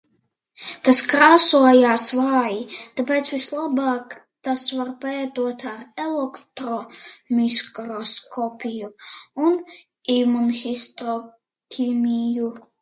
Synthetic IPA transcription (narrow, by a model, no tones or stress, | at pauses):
t̪askɾaːsuɔjaːsvaːjit̪apʲɛːt̪svʲislˠabaːk | t̪asvaɾpajɛt̪uɔt̪aɾɛlˠɛkt̪ɾɔmʲiskɾɔskʰɔpʲijuun | imunxist̪ɾɔ | kʲʰimʲiju